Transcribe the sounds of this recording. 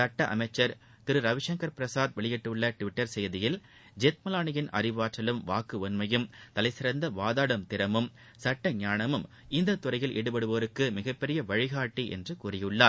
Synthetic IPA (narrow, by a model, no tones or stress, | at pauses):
sɐʈːɐʔɐ̰mɐɪt͡ʃːɐɾ | t̪ɪɾɯɾɐʋɪʂɐŋkɐɾpɪɾɐsaːd̪ʋɛɭɪjɛʈːɯɭːɐʈʋɪʈːɐɾsɛjðɪjɪl | d͡ʒet̪̚mɐlaːɳɐjɪnɐ̰rɪʋaːʈrɐlɯmʋaːkːɯɔnmɐjɯmt̪ɐlɐɪsɪɾɐnd̪ɐʋaːðaːɽɐmt̪ɪɾɐmɯm | sɐʈːɐɲaːɳɐmɯm | ɪnd̪ɐt̪ːʊrɐjɪlʔɛɽɯpɐɽɯʋɐʋɐɾɯkːɯmɪɣɐpːɛɾɪjɐʋɐɻɪɣaːʈːiʔɛ̰ndrɯkuːrɪjɯɭːaː